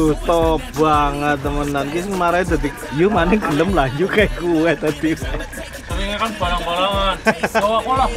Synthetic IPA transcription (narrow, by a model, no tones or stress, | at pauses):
ut̪ɔp̚b̥aŋət̪ːəmənankisənmaɾajd̪at̪ikjumanɪɡələmlaɲd͡ʒukajkuwɛt̪ad̪inɛ | iŋakanb̥aɾaŋbalaaowakola